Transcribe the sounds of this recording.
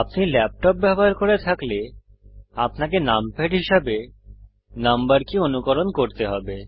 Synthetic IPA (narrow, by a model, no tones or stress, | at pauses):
apnilɛp̚ʈɔp̚bɛboɦaɾkoɾet̪ʰakle | apnakenampeʈɦiʃabe | nambaɾkionukɔɾonkoɾt̪eɦɔbe